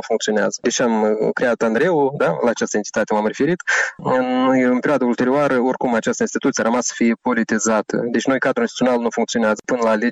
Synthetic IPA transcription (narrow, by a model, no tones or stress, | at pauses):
fuŋkt̪sio̞nea̰zəd̪e̞t͡ʃamkɾe̞at̪and̪ɾe̞wud̪alaːt͡ʃast̪əe̞nt̪i̥t̪at̪emamre̞fe̞ɾit̪ | nojɨnpe̞ɾʲoad̪əult̪eɾoaɾəo̞rkumat͡ʃast̪əinst̪i̥t̪ut̪sijaɾəmasːə̥fije̞po̞lit̪izat̪ə̰d̪e̞t͡ʃno̞jkad̪ɾuist̪i̥t̪io̞nalnufuŋk̚t̪sio̞neazəpɨnəlaːle